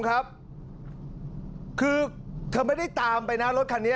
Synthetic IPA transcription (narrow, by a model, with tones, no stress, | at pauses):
kʰa˦˥p̚ | kʰɯː˧t̪ʰɤː˧ma˥˩jda˥˩jt̪aː˧mpa˧jna˦˥lo˦˥t̪̚kʰa˧nːi˦˥